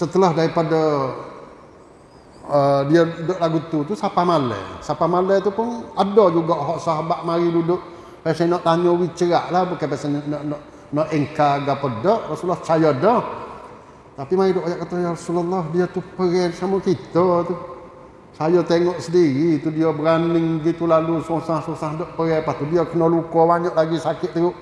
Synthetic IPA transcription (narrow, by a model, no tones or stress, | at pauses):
sət̪əlɔhdaɾipada | ədiaudʊʔlaɡut̪ut̪usapamalə̰sapamalət̪upʊnadɔd͡ʒuɡɔʔɦɔʔsaɦabaʔmaɾidudʊʔ | pasɛnɔʔt̪aɲɔwit͡ʃəɾaʔlahbukapɛsɛɔʔnɔʔ | nɔʔɛŋkaɡapədɔʔrɔsulːɔht͡ʃajɔdɔh | t̪apimaɾidʊʔajaʔkat̪ɔjaɾasulalːɔhdiat̪upəɾɛsamukit̪ɔt̪u | sajɔt̪eŋɔʔsədiɾit̪udiɔbəɾanɪŋbəɡit̪ulalusosahsosahdɔʔpəɣɛpast̪udiɔkənɔlukɔbaɲɔʔlaɡisakɪt̪ʔ̪̚t̪əɾʊʔ